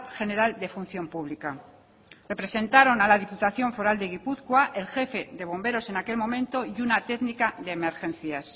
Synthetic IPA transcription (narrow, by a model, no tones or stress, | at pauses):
xe̞ne̞ɾald̪e̞fun̟θjo̞mpuβ̞lika | re̞pɾe̞sẽ̞nt̪aɾo̞nalaðiput̪aθjo̞ɱfoɾald̪e̞ɣ̞ipuθkwaʔe̞lxe̞fe̞ðe̞β̞o̞mbe̞ɾo̞se̞nake̞lmõ̞mẽnt̪o̞iunat̪e̞ɣnikaðe̞ːmeɾxẽ̞nθjas